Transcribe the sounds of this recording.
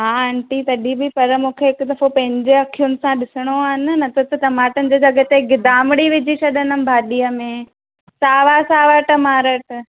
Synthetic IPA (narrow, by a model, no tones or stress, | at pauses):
ɦaːɐ̃ɳʈit̪ɐɗibɪpɐɾmũːkʰeɦɪkʊt̪ɐfopɐ̃ɦɪ̃ɲd͡ʑeɐkʰijʊnɪ̆sãɗɪsɪɽ̃oaːɦɪn̆nɐt̪ʰət̪ɐʈ̪ɐmaːʈənɪ̆d͡ʑeːd͡ʑɐɡət̪eɡɪd̪aːmɪɽiʋɪd͡ʑʱit͡ɕʰɐɗənənɪ̆bʱaːɗijəmẽ | saːʋasaːʋaʈɐmaːɾəʈ